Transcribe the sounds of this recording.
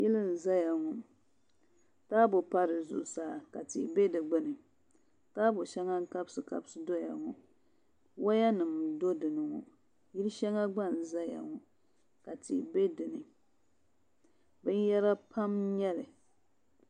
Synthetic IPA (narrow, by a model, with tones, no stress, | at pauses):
jɪ˦lɨ˦n̩˨za˦ja˨ŋɔ˨ | taː˦bo˨pa˦ɾɨ˨zʊ̰˨saː˨˦˨ka˨tḭ˨be˦dɨ˨ɡ͡bɨ˦nɨ˨ | taː˦bʊ˨ʃɛ˦ŋa˦ŋ̩˦ka˦bsɨ˨ka̰˦bsɨ˦do˦ja̰˨ŋɔ˨ | wa˦ja˦nɨ˨mdo˦dɨ˨nɨ˨ŋɔ̰˨ | ji˦lɨ˦ʃɛ˦ŋa˦ɡ͡ba˦˨n˨za˦ja̰˨ŋɔ˨ | ka˨tḭ˨be˦dɨ˨nɨ˨ | bɨ˦njɛ˦ɾa˦pʰa˦mɲɛ˦lɨ˨